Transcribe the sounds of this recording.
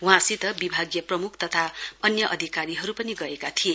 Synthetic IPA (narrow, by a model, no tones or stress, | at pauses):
wũɦãsit̪ʌbibʱaɡjʌprʌmukʰt̪ʌt̪ʰaʌnjʌʔʌd̪ʱikaɾiɦʌɾupʌniɡʌekat̪ʰie